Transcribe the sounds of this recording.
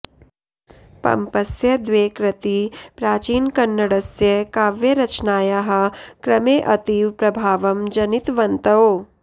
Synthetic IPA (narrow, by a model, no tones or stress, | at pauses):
pɐ̰mpɐsjɐd̪ʋeːkɾɐt̪ipɾaːt͡ʃiːnkɐnːɐɽɐsjɐkaːʋjɐɾɐt͡ʃnaːjaɦɐ̆kɾɐmeːʔɐt̪iːʋpɾɐbʱaːʋɐmd͡ʒɐnit̪ʋɐnt̪ɐo